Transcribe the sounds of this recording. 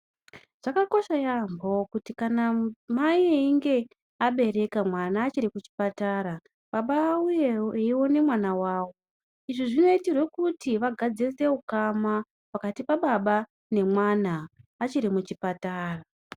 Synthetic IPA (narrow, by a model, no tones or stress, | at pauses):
ʐ̥akako̞ʃajambo̞kutikanamaieiŋɡe̞ | aɓe̞ɾe̞kamwanaːt͡ʃiɾikut͡ʃi̥pataːɾa | ɓaɓaujeeiwo̞ne̞mwanawaːwo̞ | iʐiʐino̞itirwe̞kutiʋaɡʱad͡zese̞ukama | pakatipaɓaɓa | ne̞mwanaːt͡ʃiɾimut͡ʃipataːra